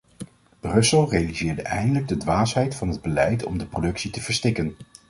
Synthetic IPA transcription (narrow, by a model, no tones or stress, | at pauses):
b̥rɵsəlˠrejalizɪːɹdəʔɛ̰jndələɡ̚dədʋaːsɦɛjtfɑnɦəd̚bəlɛjtɔ̰mdəprodɵksitəvəɹstɪkən